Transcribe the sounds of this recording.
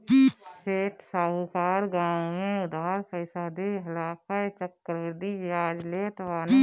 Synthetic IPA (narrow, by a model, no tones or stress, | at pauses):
seːʈsaːkaːɾɡãːwẽʊd̪aːɾfəɪsaːd̪eɦɐlaːkʰaet͡ʃəkːəɾɾd̪iʋjaːd͡ʒlet̪ʋaːn